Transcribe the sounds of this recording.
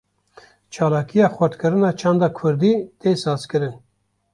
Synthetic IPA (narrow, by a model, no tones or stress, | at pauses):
t͡ʃʰɑːlɑːkʰijɑːxɛɾt̪kɨɾɨnɑːt͡ʃʰɑːnd̪ɑːkʰʊɾd̪iːt̪eːsɑːzkɨɾɨn